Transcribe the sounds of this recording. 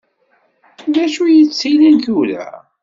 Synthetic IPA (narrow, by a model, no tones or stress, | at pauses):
ðæʃujət͡sːilənθulæ̰